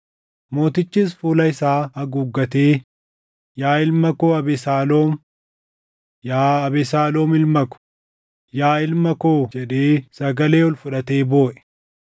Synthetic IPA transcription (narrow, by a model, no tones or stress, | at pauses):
mo̞ːt̪ɪt͡ʃːiːs̬fuːlɐɪsaːɐɡʊɡːɐt̪eː | jaːɪlmɐkoːɐbɪsaːlo̞ːm | jaːɐbɪsaːlo̞ːmɪlmɐkʊ̥ | jaːɪlmɐko̞ːd͡ʒɛᶑeːsɐɡɐle̞ːɔlfʊᶑɐt̪e̞ːbo̞ːʔɛ̥